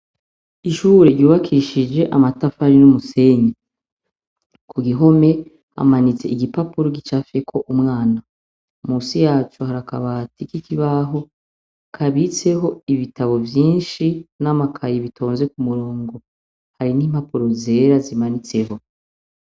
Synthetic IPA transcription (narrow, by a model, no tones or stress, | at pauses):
iʃuːɾe̞ɾuːβakʰiʃid͡ʒe̞ʔamatafaɾinumuse̞ɲa | kʰuɡiɦo̞me̞ | a̰manit͡se̞̰iɡipapuɾoɡit͡ʃafekʰo̞ʔumŋaːna | muːsijaːt͡ʃohaɾaka̰βaːtikikiβaɦo̞ | kʰaβit͡se̞ɦo̞iβitaβo̞vjiːnʃinamakʰajiβitʰo̞ːnze̞kumuɾoːŋɡo̞ | haɾiniːm̥hapuɾo̞ze̞ːɾazimanit͡se̞ɦo̞